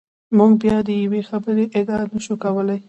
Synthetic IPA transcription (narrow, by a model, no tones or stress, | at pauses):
muɡbjɑd̪əjawexabəɾeʔɪd̪ɑnəʃukawəlaj